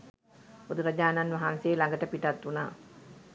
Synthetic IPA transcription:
pod̪uɾəd͡ʒaːnanʋaɦanseːlaŋɡəʈəpiʈat̪ːuna̰ː

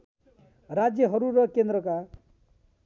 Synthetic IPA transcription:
ɾad͡zjʌɦʌɾuɾʌkend̪ɾʌka

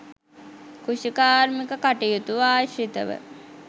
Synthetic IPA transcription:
kuʃikaːɾmikəkaʈijut̪uʋaːʃit̪ə̰ʋə̰

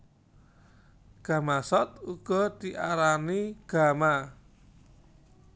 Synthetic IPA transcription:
ɡ̥a̤masɔt̪uɡ̥ɔ̤t̪iʔaɾaniɡ̥a̤ma

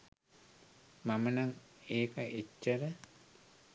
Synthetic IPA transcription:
mamənaŋeːkəʔet͡ʃːəɾə

